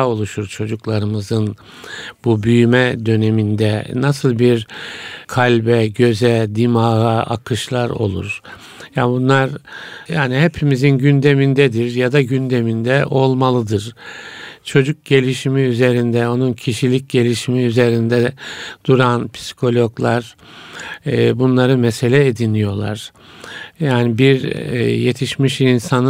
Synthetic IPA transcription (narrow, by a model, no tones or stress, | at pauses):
o̞lˠuʃuɾt͡ʃʰo̞d͡ʒuklˠaɾɯmɯzɯn | bubyjymɛd̪ø̞ne̞mind̪ɛnasɯlˠbiɾkʰalʲbɛɟø̞zɛd̪imaɦɯa̰kʰɯʃlˠaɾo̞̰lˠṵɾ̥ | jabunlˠaɾjaːniɦepʰimizinɟynd̪e̞mind̪ɛd̪iɾjad̪aɟynd̪e̞mind̪ɛʔo̞lˠmalˠɯd̪ɯɾ̥ | t͡ʃʰo̞d͡ʒuk̚ɟe̞lʲiʃimiyze̞ɾind̪ɛo̞nuncʰiʃilʲic̚ɟe̞lʲiʃimiyze̞ɾind̪ɛd̪̥uɾanpʰi̥si̥kʰo̞lʲo̞ɡlˠaɾ | bunlˠaɾɯmese̞lʲɛed̪inijo̞lˠa̰ɾ̥ | jaːnibiɾ̰je̞t̪ʰiʃmiʃinsan